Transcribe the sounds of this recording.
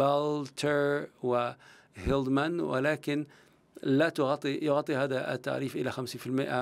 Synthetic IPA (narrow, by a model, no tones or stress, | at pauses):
balt̪ʰəɹwɪ | hɪld̪manwɪ̰laːkɪn | lat̪ʊɣɑt̪ˤːijʊɣɑt̪ˤːihaːða̰t̪ːa̰ʕɾiːfʔɪlaxamsiːnfɪlmɪʔa